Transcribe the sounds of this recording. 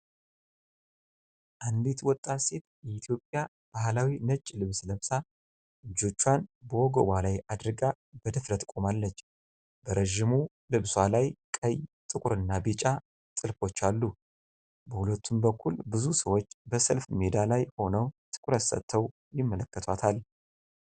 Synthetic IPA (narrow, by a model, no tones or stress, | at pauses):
ʔand̪it̪wɔt̪ʼːase̞t̪jɛit̪ʰjo̞pʼja | b̥ahlawinət͡ʃʼːilɨβsləβsa | ʔɨd͡ʒːo̞t͡ʃːwanbəwɔɡo̰walajʔad̪ɾɨɡa | b̥əd̪əfɾət̪kʼomalːət͡ʃː | bəɾəʒimu | lɨβswalajkʼəjt̪ʼɨkʷʼʊɾɨnːabit͡ʃʼa | sʼɨlfo̞t͡ʃːalːu | bəhulət̪ʰːumbəkʰːulbɨzusəwot͡ʃːbəsəlfmed̪alajho̞nəwt̪ʰɨ̥kʷʼɾət̪sə̰t̪ʰːəw | jɪmːələkːət̪ʰwat̪ʰal